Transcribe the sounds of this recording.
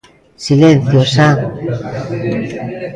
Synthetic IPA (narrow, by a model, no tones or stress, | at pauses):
silen̟θjosa